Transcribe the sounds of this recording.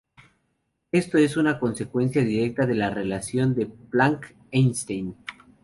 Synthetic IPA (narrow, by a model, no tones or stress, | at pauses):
e̞st̪o̞e̞sunako̞nse̞kwe̞nsjaðiɾe̞k̚t̪aðe̞lare̞lasjo̞nd̪e̞plaŋk | ejnst̪ejn